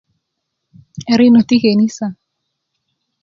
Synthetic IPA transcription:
ɛ˨ɾi˦no˨t̪i˦ke˨ni˦sa˨

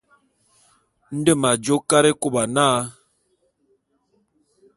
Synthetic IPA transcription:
n̩˦də˦˨ma˨d͡ʒo˦ka˦ɾe˦ku˦˨ba˨naː˦

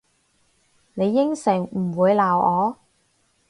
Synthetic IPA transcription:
ne˨˧jːɪ˥ŋsɪ˨˩ŋm̩˨˩wuː˨˧jlaː˨wʔɔː˨˧

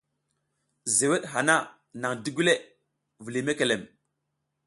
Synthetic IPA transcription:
ze˨we˦ɗɦa˨na˦ | na˨ŋdi˦ɡu˦le˦ | vu˨li˨me˦ke˨le˨m

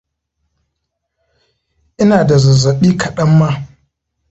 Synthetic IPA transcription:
ʔɪ˦naː˨da˨zɐ˨zɐ˨ɓiː˦kɐ˨ɗɐ˦mːa˦

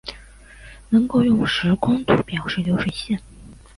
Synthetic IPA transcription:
nɤ˧˥ŋko˥˧ʊjʊ˥˩ŋʂɻ̩˧˥kʰʊ˥ŋt̪ʰṵ˧˨˥pjɑ˨˩ʊʂɻ̩˥˩ljo˧˥ʊʂwe˨˩ɪɕjɛ˥˩n

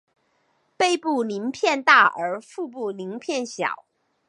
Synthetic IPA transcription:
pe˥˧ɪpu˥˩ni˧˥ŋpʰjɛ˥˧nt̪a˥˩ə˞˧˥fu˥˧p̬u˥˩li˧˥ŋpʰjɛ˥˩nɕjɑ̰˨˩˦ʊ

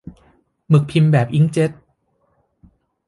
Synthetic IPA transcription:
mɯ˨˩k̚pʰi˧mbɛː˨˩p̚ʔi˦˥ŋt͡ɕe˦˥t̪̚

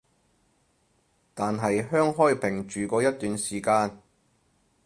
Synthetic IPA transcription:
t̪aː˨nɦɐ˨jɦœː˥ŋɦɔː˥jpʰɪ˨˩ŋt͡ʃyː˨kɔː˧jɐ˥t̚t̪ːyː˨nsiː˨˩kaː˧n

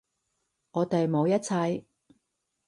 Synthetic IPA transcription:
ŋɔː˨˧t̪e˨jmo˨˧wjɐ˥t̚t͡sʰɐ˧j

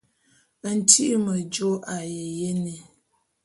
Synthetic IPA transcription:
n̩˨tʰi˦ʔmə˨d͡ʒo˦ʔa˨je˨je˦ni˨

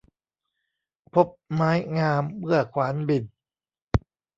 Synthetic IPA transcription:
pʰo˦˥p̚maː˦˥jŋaː˧mːɯ˥˩ɐkʰwaː˩˦nbi˨˩n

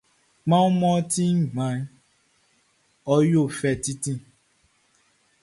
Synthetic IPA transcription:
ŋ͡mã˦u˦mɔ̃˦ti˦˨ɡ͡bã˨˦n˦ | ɔ˧jo˦˨fɛ˨ti˦tĩ˦

